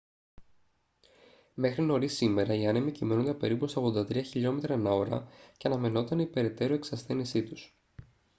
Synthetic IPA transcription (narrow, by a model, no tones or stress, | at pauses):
me̞xɾino̞ɾisime̞ɾɐiɐnemicimeno̞nd̪epe̞ɾipuseoɣðo̞nd̪ɐt̪ɾiɐçiʎo̞me̞t̪ɾɐnɐoɾɐ̰ceɐnɐme̞no̞t̪ɐnipe̞ɾe̞t̪e̞ɾue̞ksɐsθe̞nisit̪us